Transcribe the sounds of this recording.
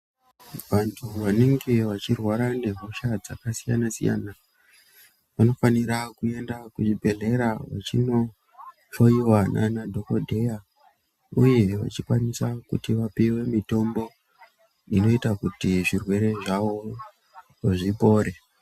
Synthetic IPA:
ʋantʰuʋaneŋɡeʋat͡ʃirwaɾane̞ɦuʃad͡zakasijanasḭja̰ːna | ʋano̞faniɾakue̞ndakuʐibʱe̞ɮe̞ɾaʋa̰t͡ʃino̞ | fo̞iwanʔa̰nadʱo̞ko̞dʱe̞ja | uje̞ʋa̰t͡ʃikwanisakutiʋapiwe̞mito̞mbo̞ | ino̞itakutiʐirwe̞ɾe̞ʐaʋo̞ | ʐipo̞ːɾe̞

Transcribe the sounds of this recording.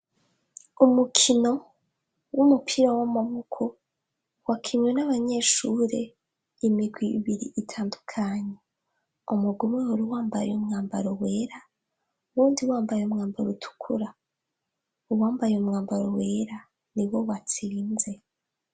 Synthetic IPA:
umukʰino̞ | wumupʰiɾawamamukʰo | wakʰiɲwenaβaɲe̞ʃuɾe̞ | imiɡwiβiɾḭʔːtʰaːndukʰaɲe̞ | umuɡumŋehuɾiwaːmbajeumŋaːmbaɾowe̞ːɾa | uβuːndiwaːmbajeumŋaːmbaɾutʰu̥kʰuɾa | uwaːmbajeumŋaːmbaɾowe̞ːɾa | niwo̞wat͡siːnze̞

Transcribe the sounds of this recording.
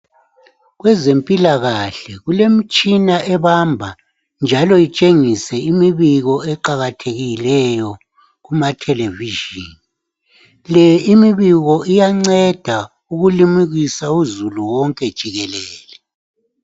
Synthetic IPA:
ɣwɛzempʼilaɣaɬɛɣulem̩t͡ʃʼinaʔɛβambʱa | nd͡ʒʱalɔit͡ʃʼeŋisɛimiβiɣɔɛǃaɣatʰeɣilɛjɔ | ɣumatʰɛleviʒiːni | lɛimiβiɣɔijaŋ͡ǀɛd̥ʱa | uɣulimiɣisauzuluwɔŋkʼɛd̥ʒ̥ʱiɣɛlɛːlɛ

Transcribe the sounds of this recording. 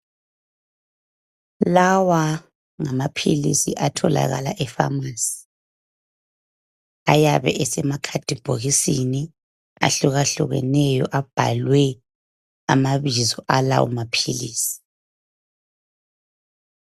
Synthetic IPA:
lawa | ŋamapʰilḭsiʔatʰɔla̰ɣa̰laʔɛfa̰maːsi̥ | ajaβɛ̰ʔɛsɛmakʰad̥ʱib̥ʱoɣisini | a̰ɬuɣaɬuɣɛ̰nɛjɔʔab̥ʱalwɛ | amaβizɔʔala̰wṵmapʰiliːsi̥

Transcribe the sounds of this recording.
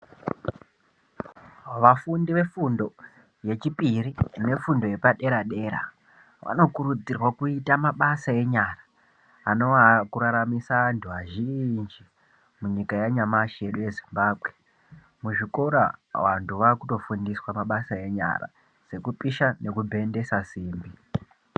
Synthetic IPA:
ʋafundiʋe̞fundo̞ | je̞t͡ʃipirine̞fundo̞je̞paɗe̞ɾaɗe̞ɾa̰ | ʋa̰no̞kuɾud͡zirwakuitamaɓasae̞ɲaraː | no̞ʋakuɾaɾamisantʰuaʒind͡ʒi | muɲikajaɲamaʃije̞ɗuje̞zimbaːbʱɣe | muʐiko̞ɾa̰wantʰuʋakuto̞fundiswamaɓasae̞ɲa̰ra̰ | se̞kupiʃane̞kubʱe̞nde̞sasiːmbi

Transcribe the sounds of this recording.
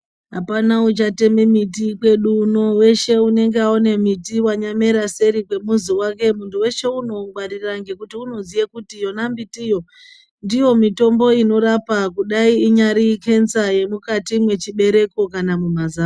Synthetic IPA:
ɦapanaut͡ʃate̞mimit̬ikwe̞ɗuno̞we̞ʃe̞une̞ŋɡeaone̞mitiwaɲame̞ɾase̞ɾikwe̞muziwak̬e̞muntuwe̞ʃe̞uno̞ŋɡwariraŋɡe̞kutiuno̞zijekutijo̞nambitijo̞ | ndijo̞mito̞mbo̞ino̞ɾapakuɗaiiɲaɾike̞nsaje̞mukatimwe̞t͡ʃiɓe̞ɾe̞ko̞kanamumazaː

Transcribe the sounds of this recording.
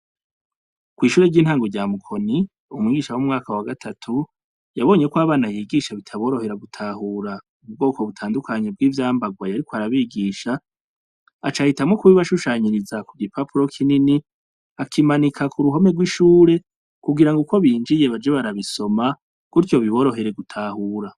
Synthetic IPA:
kwiːʃuːɾe̞ɟiːnhaːŋɡoɟaːmukʰo̞ni | umŋiːɡiʃawumŋaːkawaɡatʰatʰu | jaβo̞ːɲe̞kwaːβaːnajiːɡiʃaβitʰaβo̞ːɾo̞he̞ɾaɡutʰahuːɾa | ub̚ɡo̞ːko̞βutʰaːndukʰaɲe̞b̚ɡiːvjaːmbaɡwajaɾikoaɾaβiːɡiːʃaː | t͡ʃahitamŋo̞kuβiβaʃuʃaːɲiɾizakuɡipʰapuɾo̞kʰinini | akʰimanikʰakʰuɾuɦo̞meɡwiʃuːɾe̞ | kuɡiɾaŋɡuko̞βiːnd͡ʒije̞βad͡ʒeβaɾaβiso̞ma | kuɾjo̞βiβo̞ɾo̞ɦe̞ɾe̞ɡutʰaːhuːɾa

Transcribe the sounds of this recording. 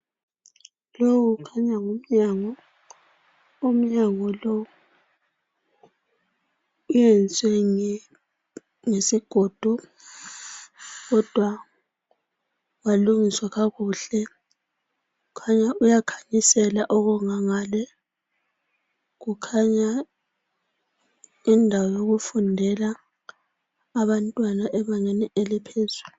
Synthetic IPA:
lowuɣukʰaɲaŋum̩ɲaŋɔ | um̩ɲaŋɔlowu | ujɛnt͡sʼɛŋ | ŋesiɡ̥ʱod̥ʱu | ɣɔd̥ʱwa | waluŋiswaɣaɣuɬɛ | ɣukʰaɲaʔujakʰḁɲisɛlaʔɔɣuŋaŋaːlɛ | ɣukʰaɲa | indʱawɔjoɣufundʱɛla | βantʼwanaʔɛβaŋeniʔelipʰezulu

